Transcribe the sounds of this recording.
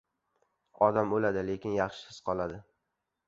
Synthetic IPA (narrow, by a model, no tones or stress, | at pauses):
ɒd̪amolad̪ɪle̞kʲʰɪnjɑχʃɪ̥sɪz̥qʰɒlˠad̪ɪ